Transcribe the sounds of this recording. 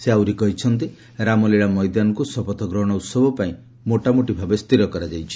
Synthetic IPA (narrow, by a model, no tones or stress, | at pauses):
seawɾikɔɦit͡ʃʰɔnt̪̬i | ɾamɔliɭamɔjd̪anɔkusɔpɔt̪ɔɡɾɔɦɽ̃ɔut̪sɔbʱɔpaĩ | moʈamuʈibʱabest̪iɾɔkɔɾad͡ʒajt͡ʃʰi̥